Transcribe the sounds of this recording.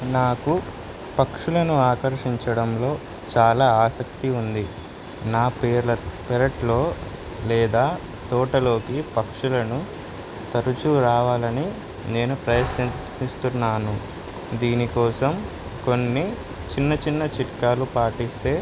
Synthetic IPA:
naːku | pɐkʂulɐnuaːkɐɾʂiɲt͡ʃɐɽɐmlo̞ː | t͡ʃaːlaːaːsɐkt̪iund̪i | naːpeːɾlɐpɛɾɐʈlo̞ː | lɛːd̪aː | t̪ɔːʈɐlo̞ːkipɐkʂulɐnu | t̪ɐɾut͡ʃuɾaːʋaːlɐni | ne̞ːnupɾɐjɐsnɐ | ist̪unːaːnu | d̪iːnikɔːsɐm | ko̞nːi | t͡ʃinːɐt͡ʃinːɐt͡ʃiʈkaːlupaːʈist̪e̞ː

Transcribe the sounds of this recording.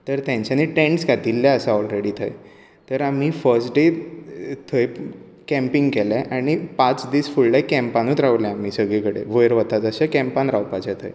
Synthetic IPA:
t̪əɾt̪jãɲt͡ɕaniʈẽɳʈskad̪ilːaəsaɔlɾeɽiːt̪ʰə̰j | t̪əɾam̤ifəɾsʈɖe | t̪ʰəj | kɛ̃mpiŋɡkɛlaʔaɽ̃ipat͡sd̪iːsfuɭɖajkɛ̃mpanut̪ɾaʋuljãam̤isəɡɭekəɽḛʋəjəɾʋət̪at͡səɕakɛ̃mpanɾawpat͡ɕat̪ʰə̰j

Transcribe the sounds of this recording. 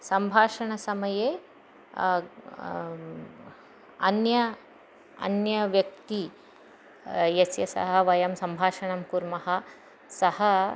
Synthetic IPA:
sɐmbʱaːʂɐɳɐsɐmɐjeː | ɐ̰njɐ | ɐ̰njɐʋjɐk̚t̪i | jɐsjɐsɐ̰ɦɐʋɐjɐmsɐmbʱaːʂɐɳɐmkuɾmɐɦɐ | sɐhɐ

